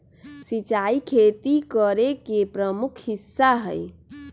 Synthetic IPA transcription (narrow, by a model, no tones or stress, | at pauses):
sit͡ʃaikʰet̪ikəɾekepɾəmukʰhisːaɦə̰j